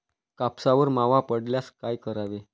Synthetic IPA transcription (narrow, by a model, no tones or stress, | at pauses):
kapsaʋəɾmaʋapəɽljaskajkəɾaʋe